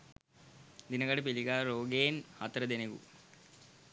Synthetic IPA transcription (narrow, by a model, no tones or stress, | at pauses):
d̪inəɡaʈəpiliɡaːɾoːɡeːnhat̪əɾəd̪enekṵ